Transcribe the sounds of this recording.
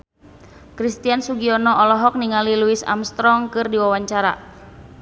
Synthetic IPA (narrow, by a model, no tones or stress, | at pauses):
kɾist̪iansuɡiɔnɔʔɔlɔɦɔk̚niŋaliluisa̰mst̪ɾɔŋkɨrdiwawaɲt͡ʃaɾa̰